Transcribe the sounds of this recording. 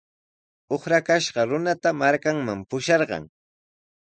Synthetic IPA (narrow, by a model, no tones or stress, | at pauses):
oχɾakaʃɢɑɾʊnat̪amaɾkaŋmampʊʃɑɾɢɑ̰ŋ